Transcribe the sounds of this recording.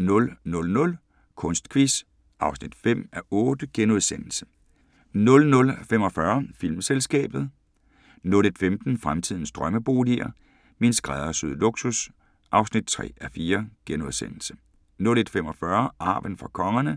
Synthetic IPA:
nɔ̽lnɔ̽lnɔ̽l | kʰɔ̽nsd̥kʰʋis | ʔɑ̈ʊsnid̥fem̰æʔɔːd̥əɡ̥enoð̞ˠsen̰l̩sə̥ | nɔ̽lnɔ̽lfem̰ɒ̽fɶɐfil̰mselsɡ̥ɛ̰ːb̥ð̞̩ˠ | nɔle̝d̥femd̥n̩fʁamt͡sʰið̞̰ˠn̩sd̥ʁɶməb̥o̝̰ːliɐ̰ | minsɡ̥ʁaðˠɐsyð̰ˠlo̝ɡ̥sus | ʔɑ̈ʊsnid̥̚t͡sʰʁɛ̰ːæɐfiːɐɡ̥enoðˠsen̰l̩sə̥ | nɔled̥femɒ̽fɶɐʔɑ̈ːʋənfʁɑ̈kʰɒ̽ŋɐnə

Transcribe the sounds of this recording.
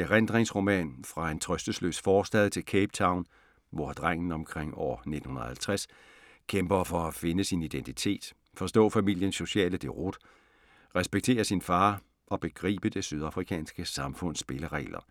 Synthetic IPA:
eʁend̥ʁeŋsʁo̝mɛ̰ːnfʁɑ̈e̝nt͡sʰʁœsd̥əslø̰ːsfɒːsd̥ɛðˠt͡sʰe̝lkʰeːb̥̚t͡sʰɑ̈ʊn | ʋɒd̥ʁaŋ̰n̩ɒ̽mkʰʁeŋ̰ɒ̰ːne̝d̥n̩hunɐ̰hælt͡sʰʁas | kʰemb̥ɐfɒ̽æfe̝nəsinid̥ent͡sʰit͡sʰe̝̰ːd̥ | fɒ̽sd̥ɔ̰̽ːfæmil̰jənsːo̝ɕɛ̰ːləd̥e̝ʁod̥ | ʁɛsb̥eɡ̥̚t͡sʰe̝̰ːɐsinfɑ̈ː | ʔɒ̽b̥e̝ɡ̥ʁḭːb̥əd̥e̝syð̞ˠɑ̈fʁikʰɛ̰ːnsɡ̥əsɑ̈mfɔ̽n̰sːb̥e̝ləʁɛ̰ːlɐ̰

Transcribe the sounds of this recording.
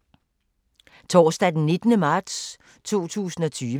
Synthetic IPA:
t͡sʰɒ̰ːsd̥æd̥enːe̝d̥nəmɑ̈ːd̥s | t͡sʰo̝̰ːt͡sʰṵːsn̩ɒ̽t͡sʰyːʋ

